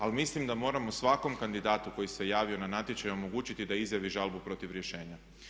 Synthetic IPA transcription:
almislimd̪amo̞ːɾamosʋako̞mkand̪id̪aːt̪uko̞jisejaːʋio̞nanat̪ʲjet͡ɕajo̞mo̞ɡuːt͡ɕit̪id̪aizjaʋiʒalbupɾo̞t̪iʋɾje̞ʃe̞ːɲa

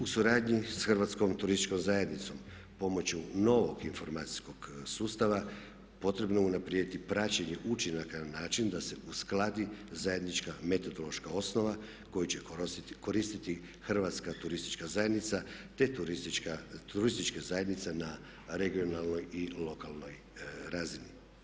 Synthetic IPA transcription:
usuɾaːd̪ɲisxr̩ʋat̪sko̞mt̪uɾist̪it͡ʃko̞mzaje̞d̪nit̪so̞m | po̞mo̞t͡ɕuno̞ʋo̞ɡinfo̞ɾmaːt̪si̥sko̞ɡ̥suːst̪aʋa | po̞t̪ɾe̞bnounapɾijed̪it̪ipɾat͡ɕeɲe̞ʔut͡ʃinakananaːt͡ʃind̪ase̞usklˠad̪izaje̞d̪nit͡ʃkame̞t̪o̞d̪o̞lˠo̞ʃkao̞sno̞ʋa | ko̞jit͡ɕe̞ko̞ɾist̪it̪i | xr̩ʋat̪skat̪uɾist̪i̥t͡ʃkazaje̞d̪nit̪sat̪e̞t̪uɾiiat̪uɾist̪it͡ʃkezaje̞d̪nit̪sena | ɾe̞ɡio̞nalno̞jilo̞kalˠno̞j | ɾaːzini

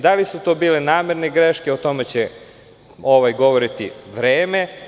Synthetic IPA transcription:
d̪alisut̪o̞biːle̞naːmeɾneɡɾeʃkeot̪o̞met͡ɕe | o̞ʋajɡo̞ʋoɾit̪ḭʋɾeːme̞

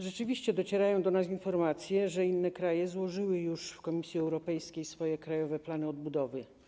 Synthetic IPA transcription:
ʐɛt͡ʂɘvʲiɕt͡ɕɛd̪ɔt͡ɕɛɾajɔ̃w̃d̪ɔnas̬infɔɾmat̪sʲjɛʐɛinːɛkɾajɛzwɔʐɘwɘjuʂfkɔmʲisʲjiɛwɾɔpɛjskʲejsfɔjɛkɾajɔvɛplanɘɔd̪̚bud̪ɔvɘ

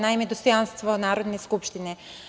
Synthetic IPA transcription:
najmɛd̪ɔst̪ɔjanst̪vɔnaɾɔd̪niskupʃt̪inɛ

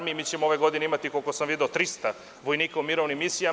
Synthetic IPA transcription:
mijimiːt͡ɕemooʋeɡo̞d̪ineimat̪ikokosamʋid̪eot̪ɾist̪a | ʋo̞jniːkaumiɾoʋnimisija

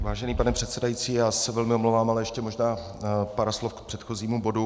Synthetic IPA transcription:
vaːʒɛniːpanɛpr̥ɛt̪sɛdajiːt͡siːjaːsɛvɛlmɪomlowvaːmalɛjɛʃcɛmoʒnaː | paɾaslofkpr̥ɛt̪xo̞ziːmubo̞du

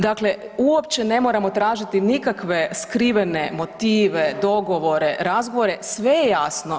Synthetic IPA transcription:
d̪akle | uopt͡ʃene̞moːɾamo̞t̪ɾaːʒit̪inikakʋe̞skɾiʋenemo̞t̪iːʋed̪o̞ɡo̞ʋo̞ɾe̞ɾazɡo̞ʋoɾesʋe̞jejaːsno̞

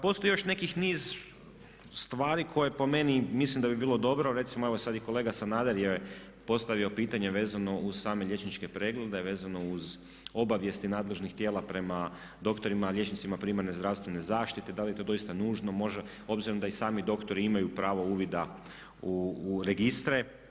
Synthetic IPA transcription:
po̞st̪o̞jjo̞ʃne̞kixniːz | st̪ʋaːɾikʰo̞jepo̞me̞nimislimd̪abibiːlˠo̞d̪o̞bɾoɾet̪simoe̞ʋosad̪iko̞leːɡasanaːd̪eɾje | po̞st̪aʋio̞piːt̪aɲe̞ʋe̞ːzano̞uz̥saːme̞ʎʲje̞t͡ʃnit͡ʃke̞pɾe̞ːɡle̞d̪e̞ʋe̞ːzano̞uz | o̞baʋje̞st̪inaːd̪le̞ʒnixt̪jeːlˠapɾe̞ma | d̪o̞kt̪o̞ɾimalʲje̞t͡ʃnit̪simapɾimaɾne̞zd̪ɾaʋst̪ʋe̞ne̞zaːʃt̪it̪e̞d̪alijet̪od̪o̞ist̪anuːʒno̞mo̞ʒe | o̞bziɾood̪aisaːmid̪o̞kt̪o̞ɾiimajupɾaːʋo̞uːʋid̪a | uːɾe̞ɡist̪ɾe

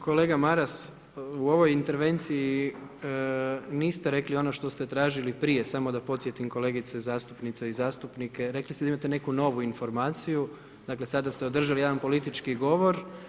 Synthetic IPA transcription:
kʰo̞le̞ːɡamaɾas | uo̞ʋo̞jint̪e̞ɾʋe̞nt̪siji | niːst̪eɾe̞klio̞no̞ʃt̪o̞st̪e̞t̪ɾaːʒilipɾije̞samo̞d̪apo̞t̪sje̞t̪imko̞le̞ːɡit̪sezaːst̪upnit̪seizaːst̪upnike̞ɾe̞klist̪ed̪aimat̪e̞ne̞kuno̞ʋuinfo̞ɾmaːt̪siju | d̪akle̞sad̪ast̪eo̞d̪r̩ʒalijed̪anpo̞lit̪it͡ʃkiɡo̞ʋo̞ɾ

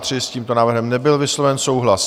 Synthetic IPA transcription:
t̪r̥ɪsciːmt̪o̞naːvrɦɛmnɛbɪlvɪslovɛnso̞wɦlas

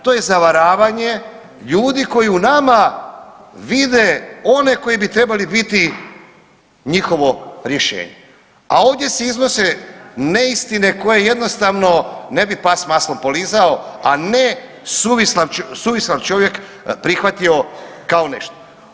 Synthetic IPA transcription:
t̪o̞je̞zaʋaɾaːʋaɲe̞ | ʎuːd̪iko̞jiunama | ʋid̪e̞o̞ne̞ko̞jibit̪ɾe̞balibit̪i | ɲixo̞ʋo̞ɾje̞ʃḛːɲe̞ | a̰o̞ːʋd̪je̞seizno̞seneist̪ine̞ko̞jeje̞d̪nost̪aʋno̞ne̞bipasmaslompo̞lizao̞ane | suʋislant͡ʃsuːʋislant͡ʃo̞ʋjek | pɾixʋat̪io̞kaone̞ʃt̪o̥

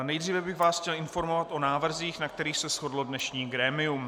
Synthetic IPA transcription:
nɛjd̪riːvɛbɪɣvaːsxcɛlɪnfo̞ɾmovat̪ʔo̞naːvr̩ziːxnakt̪ɛɾiːxsɛsxo̞dlodnɛʃɲiːɡɾɛːmɪum

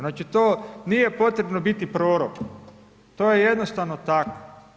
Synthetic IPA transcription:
naːt͡ʃit̪oːnije̞po̞t̪ɾe̞bnobit̪ipɾoːɾokno | t̪oːjejed̪nost̪aʋnot̪ako

